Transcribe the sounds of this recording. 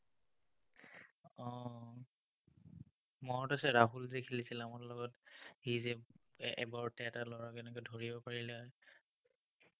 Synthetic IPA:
ɔ | mɔtasɛɹaɦulzɛkʰilisilamɔɹlɔɡɔthizɛɛ̰baɹtɛtalɔɹakɛnɛkɔjdʱoɹibɔpaɹilɛɔj

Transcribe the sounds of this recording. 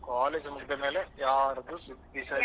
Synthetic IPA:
kaːleːd͡ʒmukd̪ɐme̞ːlejaːɾɐd̪usud̪isɐ

